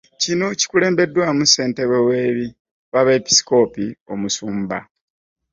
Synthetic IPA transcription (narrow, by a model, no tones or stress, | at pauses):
cino̞ci̥kule̞ːmbe̞dːwamuse̞ːnte̞βewe̞ːβi | βaβeːpi̥si̥ko̞ːpio̞musuːmba̰